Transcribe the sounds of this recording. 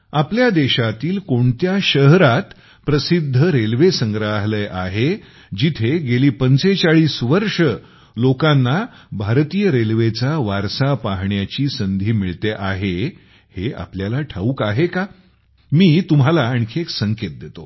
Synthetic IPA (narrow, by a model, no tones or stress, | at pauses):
apljad̪eɕat̪iːlkoɳt̪jaɕəɦɾat̪ | pɾəsid̪ʱːəɾelʋesəŋɡɾaɦləjʔaɦe | d͡ʑit̪ʰeɡeliːpənt͡set͡saɭiːsʋəɾʂə | lokãnːa | bʱaɾt̪iːjəɾelʋet͡saʋaɾsapaɦɳjat͡ɕiːsənd̪ʱiːmiɭt̪eʔaɦe | hea̰pljalaʈʰauːkaɦeka | miːt̪umɦalaəɳkʰeksəŋket̪̚d̪et̪o